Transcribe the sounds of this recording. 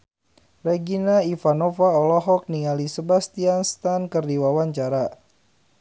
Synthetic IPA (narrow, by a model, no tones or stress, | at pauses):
rɛɡinaifanofaɔlɔɦɔk̚niŋalisəbast̪ianst̪ankərdiwawaɲt͡ʃaɾa